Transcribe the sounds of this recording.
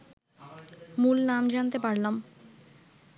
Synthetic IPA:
mulnamd͡ʑant̪epaɾlam

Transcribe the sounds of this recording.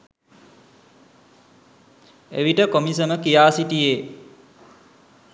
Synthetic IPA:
ḛʋiʈəkomisəməkijaːsiʈijeː

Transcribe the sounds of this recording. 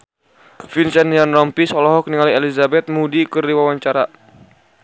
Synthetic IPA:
finsɛnianrɔmpisɔlɔɦɔk̚niŋalielizabɛt̪̚mudikɨrdiwawaɲt͡ʃaɾa

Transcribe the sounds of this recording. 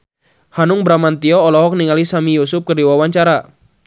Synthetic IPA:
hanʊŋbɾamant̪iɔːlɔɦɔk̚niŋalisamijusʊp̚kərdiwawaɲt͡ʃaɾa

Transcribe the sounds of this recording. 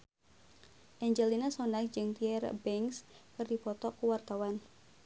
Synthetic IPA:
ʔɛɲd͡ʒɛlinasɔndak̚d͡ʒɨŋt̪iɛrbɛŋskɨrdipɔt̪ɔkuwart̪awan

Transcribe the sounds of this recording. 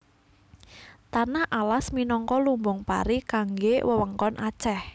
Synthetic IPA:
t̪anahʔalasminɔŋkɔlumbʊŋpa̰ɾikaŋɡewəwəŋkɔnʔat͡ʃɛh

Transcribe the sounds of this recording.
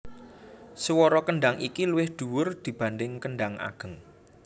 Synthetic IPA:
səwɔɾɔkəɳɖaŋʔikiluwɪhd̪̥ṳwʊrd̪̥i̤b̥a̤nd̪ɪŋkəɳɖaŋa̰ɡ̥ə̤ŋ

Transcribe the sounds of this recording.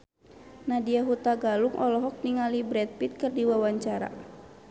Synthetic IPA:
nadiaɦut̪aɡaluŋʔɔlɔɦɔk̚niŋalibɾɛt̪̚pit̪̚kərdiwawaɲt͡ʃaɾa̰

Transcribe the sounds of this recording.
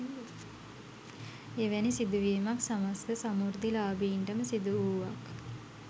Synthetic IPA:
eʋɛnisid̪uʋiːmaksamast̪əsamuɾd̪ilaːbiːɳɖəməsid̪uuːʋak

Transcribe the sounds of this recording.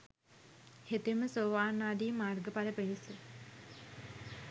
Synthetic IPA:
het̪eməsoːʋaːnaːd̪iːmaːrɡəpaɾəpenisə

